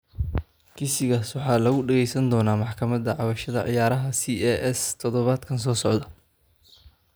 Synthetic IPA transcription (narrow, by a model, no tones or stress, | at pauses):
kʰɪsɪɣaːswɑħɑːlɐɣʊɖɛɣɛjsɐnd̪ɔːnaːmɑħkʰɐmɐd̪ɐʕɑβɐʃɐðɐ̰ʕɪ̰jaːɾɐɦɐsiːɛʔɛst̪ʰɔðɔβaːd̪kʰɐnsɔːsɔʕd̪ɐ